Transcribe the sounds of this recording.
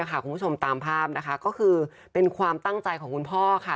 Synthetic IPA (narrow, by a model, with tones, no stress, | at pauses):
kʰa˥˩ku˧npʰu˥˩t͡ɕʰo˧mt̪aː˧mpʰaː˥˩p̚na˦˥kʰa˦˥kɔː˥˩kʰɯː˧ | pe˧nkʰwaː˧mt̪a˥˩ŋt͡ɕa˧jkʰɔː˩˦ŋkʰu˧npʰɔː˥˩kʰa˥˩